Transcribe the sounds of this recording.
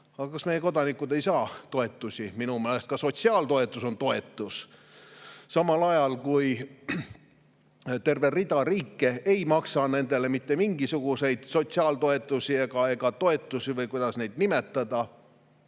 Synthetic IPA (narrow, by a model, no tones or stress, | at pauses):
ɑɡɑkɑsme̞jeko̞d̪ɑnikːˑud̪e̞jsɑːt̪o̞e̞t̪ːˑusʲiminumeːle̞st̪kɑso̞t̪ʲsiɑːld̪o̞e̞t̪ːˑuso̞nt̪o̞e̞t̪ːˑus | sɑmɑlɑjɑlkuj | t̪e̞rve̞rid̪̥ɑriːkːe̞ejmɑksɑne̞nd̪̥e̞le̞mit̪ːemiŋɡ̥isuɡ̥use̞jd̪̥so̞t̪ʲsiɑːlt̪o̞e̞t̪ːˑusʲie̞ɡ̥ɑe̞ɡ̥ɑt̪o̞e̞t̪ːˑusʲivɤjkujd̪̥ɑsne̞jd̪̥nime̞t̪ːˑɑd̪̥ɑ